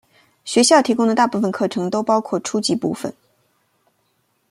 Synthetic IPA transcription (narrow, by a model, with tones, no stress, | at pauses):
ɕɥɛ˧˥ɕjɑ˥˩ʊt̪ʰi˧˥kʊ˥ŋd̪ə˨t̪a˥˧pu˥˩fə˨˩nkʰɤ˥˩ʈ͡ʂʰɤ˧˥ŋt̪o˥ʊpɑ˥ʊkʰwɔ˥˩ʈ͡ʂʰu˥t͡ɕi˧˥pṵ˥˩fə̰˨˩n